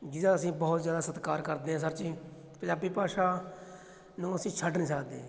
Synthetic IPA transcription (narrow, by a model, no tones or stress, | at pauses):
d͡ʒɪd̪ãːəsĩːbɔːt̪zjaːd̪aːsət̪kaːɾkəɾd̪eːɦãːs̬əɾt͡ʃiː | pə̃ɲd͡ʒaːbiːpaːʃaː | nũːəsĩːt͡ʃʰəɖnĩːs̬əkd̪eː